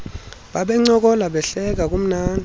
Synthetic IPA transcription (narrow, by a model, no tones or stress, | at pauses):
ɓaɓɛŋ͡ǀɔk̬ʼɔlaɓɛɬɛk̬ak̬ʼum̩naːnʱ